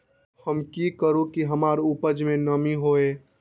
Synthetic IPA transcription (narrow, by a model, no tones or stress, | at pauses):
həmkikəɾukiɦəmaːɾupəd͡ʒmẽnəmiɦoe